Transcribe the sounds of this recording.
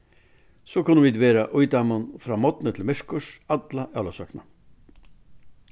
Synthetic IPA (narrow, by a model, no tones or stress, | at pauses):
soːkʊnəʋiːd̪ʋeːɾaʔʊjd̪ɑmənfɾɑːmɔt̪nət̪ʰɪlmɪʂkʊʂɑd̪laʔɑlasœknɑ̰